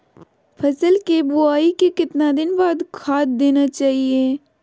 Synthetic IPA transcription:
pʰɐsəlkebʊaːikekɪt̪nad̪ɪnbaːd̪kʰaːt̪̚d̪eːnat͡ʃaːɦieː

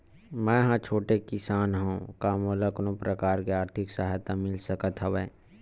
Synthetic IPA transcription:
mɛ̃ːjɦãt͡ʃʰoːʈekɪsaːnɦũkaːmoːlaknõpɾʔəkaːɾkiaːɾt̪ʰɪksəɦat̪amɪlsəkət̪ɦəʋeː

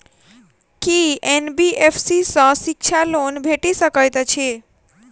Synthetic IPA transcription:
kienbiefsisə̃sik̚t͡ʃʰalonbʱeʈisəkəjt̪ət͡ʃʰe

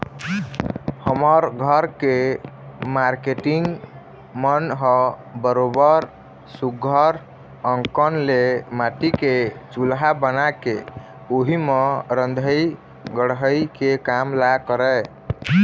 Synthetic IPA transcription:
həməɾɡʱəɾke | maɾkeʈiŋɡ | mənɦə | bəɾobəɾ | suɡʱəɾ | əŋkənlemaʈiket͡ʃulɦabənake | oɦimeɾənd̪ʱəj | ɡəɽɦəjkekamlakəɾɛ

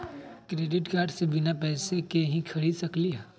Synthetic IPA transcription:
kɾeːɖɪʈkaːɾɖsebɪnapɛːsekeɦĩkʰɐɾiːd̪sɐkliɦɛː

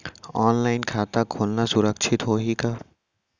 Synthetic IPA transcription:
ɔːnlaːɪnkʰaːt̪akʰoːlnasʊɾəkʃʰɪt̪ɦoːɦikaː

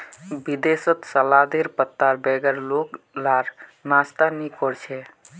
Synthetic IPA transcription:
bid̪esət̪səlad̪eɾpət̪ːaɾbɛɡəɾlok | laɾnast̪anikɔɾt͡ʃʰɛ

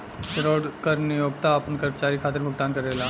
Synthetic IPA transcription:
kɾoːɽkəɾnijoːɡ̚t̪aɐpənkəɾmət͡ɕaːɾikʰaːt̪əɾbʱəɡ̚t̪aːnkəɾela

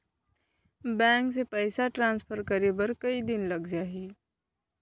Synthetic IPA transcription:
bɛ̃ːŋks̬epɛːɪsaʈɾãːnspʰəɾkɐɾebəɾkɐid̪ɪnlɐɡd͡ʒaːɦiː

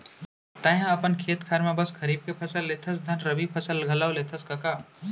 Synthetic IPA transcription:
t̪aːjãɐpənkʰeːt̪kʰaːɾmẽbəskʰəɾiːb̚kepʰəsəlːet̪ʰəsd̪ʱənɾəbipʰəsəlɡʱɐlawlet̪ʰəskɐkaː

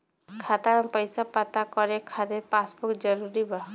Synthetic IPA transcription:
kʰat̪aɾɔpəjsapat̪akɔɾekʰad̪epasbukd͡ʒɔɾuɾiba

